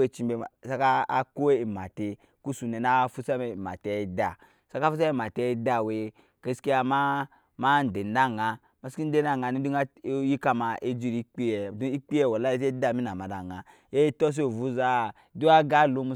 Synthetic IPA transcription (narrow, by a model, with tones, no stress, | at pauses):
e˨t͡ʃi˨be˨sa˦ka˦a˦ko˦e˦i˨ma˨te˧ | ku˦su˨nɛ˨n˦a˦fu˦sa˦mɛ˨ma̰˨tɛ˨˦˨da˨ | sa˦ka˦fu˦s̬a˦mɛ˦˨ma˨tɛ˦da˦˨we˨ | ke˦ski˦a˨ma˦ | ma˦n̩˨de˨n˦da˦˨ŋa˧ | ma˦ski˦de˦n˦a˦˨ŋa˨ni˦du˦ji˦ka˦ma˨ʔe˦d͡ʒi˦˨ɾi˦k͡pi˦ɛ˨du˦i˦k͡pi˦ɛ˦˨wɔ˨la˦se˦da˦˨mi˦na˨ma˨da˨ŋa˨ | je˦tɔ˦s̬o˨vu˦za˦˨˦du˦a˦ɡa˦˨lo˨˦mu˧